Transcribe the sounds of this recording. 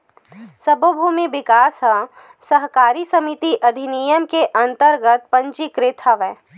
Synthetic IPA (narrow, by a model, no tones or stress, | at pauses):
sɐbəbʱuːmiʋɪkaːsɦɐ | sɐɦkaːɾisɐmit̪iʔɐd̪ʱinijəmkeʔɐ̃nt̪əɾɡət̪̚pɐ̃ɲt͡ʃikɾɪt̪ʰaʋɛː